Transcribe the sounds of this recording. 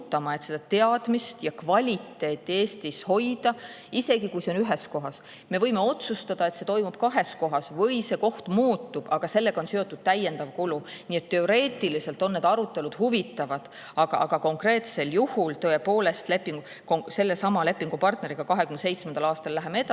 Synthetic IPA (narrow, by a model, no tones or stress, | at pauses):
t̪ːˑɑmɑe̞t̪se̞d̪̥ɑt̪e̞ɑd̪̥mist̪jɑkvɑlʲit̪ːe̞ːt̪ːie̞ːst̪isho̞jd̪̥ɑ | ise̞ɡikujseo̞nyɦe̞sko̞ɦɑs | me̞vɤjme̞o̞t̪sust̪ɑd̪̥ɑe̞t̪se̞t̪o̞jmub̥̚kɑɦe̞sko̞ɦɑsvɤ̞jse̞ko̞ht̪muːt̪ːub̥ɑɡ̥ɑse̞lːe̞ɡ̥ɑo̞nsyo̞t̪ːˑud̪̥̚t̪æjːe̞nd̪ɑvkuluniːet̪ːe̞o̞ɾe̞ːt̪ːˑilise̞lt̪ˑo̞nːe̞d̪ɑɾut̪ːˑe̞lud̪̥huvit̪ːˑɑvɑd̪̥ | ɑɡ̥ɑʔɑɡ̥ɑko̞ŋkre̞ːt̪se̞ljuhult̪ɤːe̞po̞ːle̞st̪le̞pːiŋɡu | kose̞lːesɑmɑle̞pːˑiŋɡ̥upɑrt̪ne̞ɾiɡ̥ɑkɑɦe̞kymnese̞jt̪smend̪ɑlɑːst̪ɑllæɦemeet̪ɑ